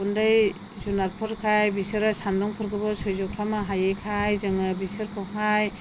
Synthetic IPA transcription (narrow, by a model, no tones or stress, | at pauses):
undɯj | zunaɾpʰɯɾkʰajbisɯɾasandɔŋpʰɯɾɡɯbɔsojzɔkʰɾamaɦajekʰajzɯŋɯbisɯɾkʰɯɦaj